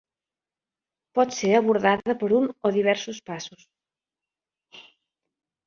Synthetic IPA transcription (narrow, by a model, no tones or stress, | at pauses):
pɔðseɾaβoɾðaðɐpoɾuŋoðiβ̞ɛɾsʊspasʊs